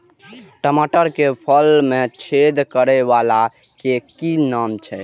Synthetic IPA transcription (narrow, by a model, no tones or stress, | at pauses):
ʈəmaʈəɾkepʰəlmet͡ʃʰed̪kəɾɛbala | kekinamt͡ʃʰɛ